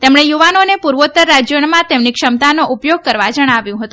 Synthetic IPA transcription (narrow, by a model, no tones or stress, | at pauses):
t̪emɳ̃ejuʋanonepuɾʋot̪əɾːad͡ʒjəɳmãt̪emnikʃəmt̪anoʔupjoɡ̚kəɾʋad͡ʒəɽ̃aʋjũɦət̪ũ